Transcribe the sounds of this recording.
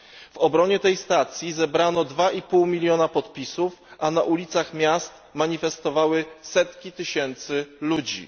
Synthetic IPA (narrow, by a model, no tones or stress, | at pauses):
v̥ɔbɾɔɲɛt̪ɛjst̪at̪sʲjizɛbɾanɔd̪vaʔipuwmʲilʲjɔnapɔt̪pʲisufanaʔulʲit̪saxmʲjast̪maɲifɛst̪ɔvawɘsɛt̪kʲit̪ɘɕɛnt̪sɘlud͡ʑḭ